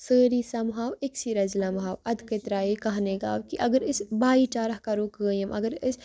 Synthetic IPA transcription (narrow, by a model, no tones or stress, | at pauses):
səːɾisɐmɦaːwɪksiɾɐzlɐmɦaːwɐd̪kət̪ɾaːjekɐɦneɡa̰ːwkiʔɐɡəɾɪsbaːit͡ʃaːɾɐhkɐɾoːkəːjɐmɐɡəɾɪs